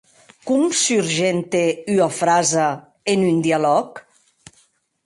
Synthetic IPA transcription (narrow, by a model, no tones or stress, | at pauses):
kumsyɾʒent̪eyafɾaza | enynd̪ialɔk